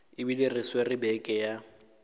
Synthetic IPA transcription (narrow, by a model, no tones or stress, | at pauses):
ɪbilɪrɪswerɪbɛkʼɛja